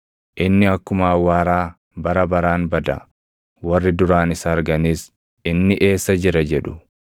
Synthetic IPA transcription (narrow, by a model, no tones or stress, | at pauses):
ʔɪnːɪɐkːʊmaːwaːɾaː | bɐɾɐbɐɾaːnbɐd̪ɐ̰ | wɐrːɪd̪ʊɾaːnɪsɐːɾɡɐniːs | ɪnːɪʔe̞ːsːɐd͡ʒɪɾɐd͡ʒɛᶑʊ̥